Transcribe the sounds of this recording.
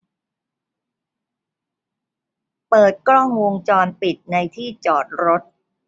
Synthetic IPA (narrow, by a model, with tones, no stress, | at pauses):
pɤː˨˩t̪̚kɾɔ˥˩ŋwo˧ŋt͡ɕɔː˧npi˨˩t̪̚na˧jt̪ʰiː˥˩t͡ɕɔː˨˩t̪̚ɾo˦˥t̪̚